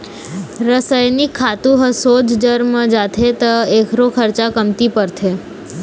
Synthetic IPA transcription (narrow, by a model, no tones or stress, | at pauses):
ɾəsəjnikʰːat̪ũɦəsod͡ʒd͡ʒəɾməd͡ʒat̪ʰet̪əekʰɾokʰəɾt͡ʃakəmt̪ipəɾt̪ʰe